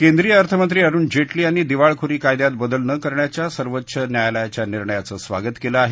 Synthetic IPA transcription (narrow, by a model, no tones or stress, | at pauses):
kẽnd̪ɾijəəɾt̪ʰəmənt̪ɾiːaɾuːnd͡ʑeʈliːaɽ̃id̪iʋaɭkʰuɾiːkajd̪jat̪̚bəd̪əlnəkəɾɳjat͡ɕjasəɾʋətːɕʰənjajljat͡ɕjaniɾɳəjat͡səːsʋa̰ɡət̪keləaɦe